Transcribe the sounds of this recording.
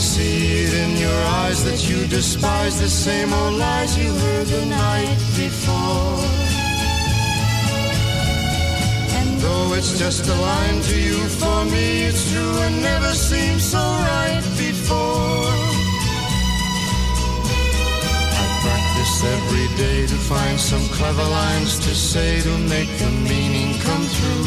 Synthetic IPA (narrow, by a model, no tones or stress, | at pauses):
si | ɾɪ̃njə˞aɪzðɨt͡ʃɨdɨspaɪzðɨsẽɪ̃moʊdaɪzjɨ | ə˞ðɨnaɪt̚b̥ɨfɔɹ | ɨ̃nðoʊɪtsd̥ʒ̥ʌstəlãɪ̃ntʰɨjɨfə˞mi | ɪtstʰɹ̥uɨ̃nːɛvə˞sĩmz̥soʊɹaɪt̚b̥ɨfɔɹ | aɪpʰɹ̥æk̚tɨstɛvɹideɪɾɨfãɪ̃nd̥sʌ̃mkʰl̥ɛvə˞lãɪ̃mz̥tʰɨseɪɾɨmeɪk̚ðɨ̃mːĩnɪ̃ŋkʰʌ̃mθʰɹu